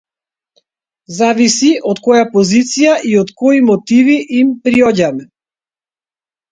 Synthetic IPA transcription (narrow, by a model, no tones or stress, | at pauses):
zavisiʔɔt̪kɔjapɔzit̪sijaʔiɔt̪kɔimɔt̪iviʔimpɾiɔɟamɛ